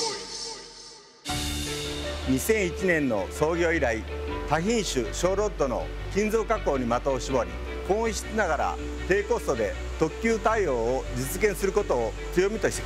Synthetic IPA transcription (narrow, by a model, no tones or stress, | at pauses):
ɲ̟isẽ̞ɰ̃it͡ɕinẽ̞nːo̞̰so̞ːɡʲo̞ːiɾait̪açĩɰ̃ɕɨɕo̞ːɾo̞t̪ːo̞no̞̰ | kʲĩnd͡zo̞ːkako̞ːɲ̟imat̪o̞ːɕibo̞ɾʲḭ | kõiɕi̥t͡sɨnaɡaɾa̰ | t̪e̞ːko̞ːsod̪e̞ | t̪o̞kʲɨːt̪aio̞ːod͡ʑit͡sɨɡẽ̞ɰ̃sɨɾɯ̟ko̞t̪o̞ː | t͡sɨjo̞mʲit̪o̞ɕi̥t̪e̥